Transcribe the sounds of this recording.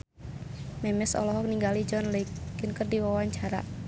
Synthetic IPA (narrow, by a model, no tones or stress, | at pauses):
mɛmɛsɔ̰lɔɦɔk̚niŋɡalid͡ʒɔnləikinkərdiwawaɲt͡ʃaɾa̰